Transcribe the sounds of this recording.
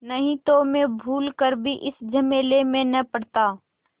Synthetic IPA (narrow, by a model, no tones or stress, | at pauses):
nəɦĩt̪omẽbʱuːlkəɾbʱiʔɪsd͡ʒəmeːlemẽnəpəɽt̪aː